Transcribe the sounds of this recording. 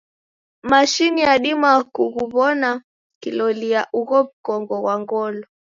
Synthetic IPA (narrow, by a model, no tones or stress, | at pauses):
maʃinijaɗimakuɣuβɔna | kilɔliaʔuɣɔβ̩kɔŋɡɔɣwaŋɡɔlɔ